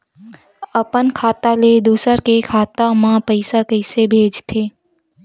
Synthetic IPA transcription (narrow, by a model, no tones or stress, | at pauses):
əpənkʰaːt̪aled̪uːsəɾkekʰaːt̪amãpəɪsakəɪsebʱeːd͡ʒt̪ʰeː